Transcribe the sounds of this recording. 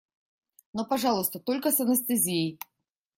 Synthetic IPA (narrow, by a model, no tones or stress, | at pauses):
nɔpaʐalˠust̪ət̪ɔlʲkəsɐnɐst̪ɨzʲijej